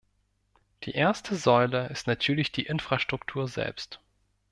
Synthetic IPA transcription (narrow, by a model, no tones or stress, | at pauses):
d̥ḭːʔeːɐstʰəzɔʏləɪstnatʰyːɐlɪçd̥iːʔɪnfʁ̥aʃtʁ̥ʊktʰuːɐzɛ̰lpst